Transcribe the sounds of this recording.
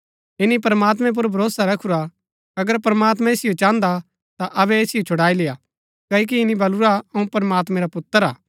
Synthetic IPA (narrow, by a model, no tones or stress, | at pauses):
ɪnipɐɾmaːt̪̬mɛ̃p̬ʊɾbʱɐɾoːsaɾɐkʰuɾa | ɐɡəɾpɾɐmaːt̪mɛ̃eːsɪjot͡ʃãːnd̪a | t̪aʔɐbɛeːsɪjot͡ʃʰʊɽaːileja | kɐːik̬iɪnibʱɐluɾaɐũpɐɾmaːt̪mɛ̃ɾapʊt̪ːəɾaː